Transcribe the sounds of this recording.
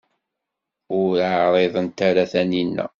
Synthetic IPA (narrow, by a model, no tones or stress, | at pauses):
ʊɾʕɾˤeðˤənt̪aɾæθæninːæ̰